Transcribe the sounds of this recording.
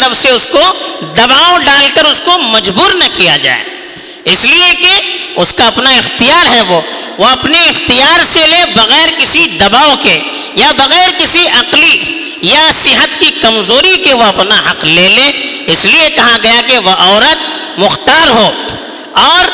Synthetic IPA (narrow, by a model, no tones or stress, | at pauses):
ɾəfseʊskod̪ɐbaːoɖaːlkɐɾʊskomɐd͡ʒbuːɾnɐkijad͡ʒa̰ːḛ | ɪsliekeʊskaɐpnaɪxt̪ijaːɾɦɛʋoː | ʋoɐpniɪxt̪ijaːɾselebɐɣɛːɾkɪsid̪ɐbaːoke | jabɐɣɛːɾkɪsiɐqli | jasɪɦət̪kikɐmzoːɾikeʋoɐpnaɦɐqleːleɪsliekɐɦaɡɐjakeʋoʔɔːɾət̪̚ | mʊxt̪aːɾɦoː | ɔːɾ